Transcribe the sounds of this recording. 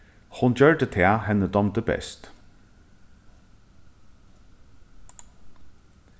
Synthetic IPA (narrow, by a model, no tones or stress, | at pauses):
hʊnd͡ʒœɹɖət̪ʰɛːhɛnəd̪ɔmt̪əbɛ̰st̪